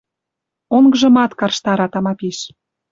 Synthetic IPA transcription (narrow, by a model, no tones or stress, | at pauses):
oŋɡɤ̆ʒɤ̆mɑt̪kɑrʃt̪ɑɾɑt̪ɑmɑpiʃ